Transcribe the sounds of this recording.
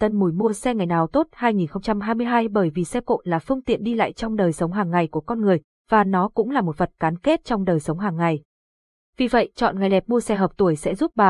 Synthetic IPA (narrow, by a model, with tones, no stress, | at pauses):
t̪ə˧nmu˧˩jmu˧əsɛ˧ŋa˨˩jnaː˨˩wt̪o˦˥t̚haː˧jŋi˨˩nxə˧wŋ͡mt͡ɕa˧mɦaː˧jmɨ˧əjɦaː˧jɓəː˧˩jvi˨˩sɛ˧ko̰˧˨nlaː˨˩fɨ˧əŋt̪ḭ˧˨ənɗi˧la̰ː˧˨jt͡ɕɔ˧wŋ͡mɗəː˨˩jsə˨˦wŋ͡mɦaː˨˩ŋːa˨˩jku˧˩əkɔ˧nŋɨ˨˩əj | vaː˨˩nɔ˨˦kʊ̰˧˥ŋ͡mlaː˨˩mo˨˩t̚və˨˩t̚kaː˨˦nke˦˥t̚t͡ɕɔ˧wŋ͡mɗəː˨˩jsə˨˦wŋ͡mɦaː˨˩ŋːa˨˩j | vi˨˩və̰˧˨jt͡ɕɔ̰˧˨nŋa˨˩jlɛ˨˩p̚mu˧əsɛ˧ɦəː˨˩p̚t̪u˧˩əjsɛ̰˧˥zu˦˥p̚ɓaː˨˩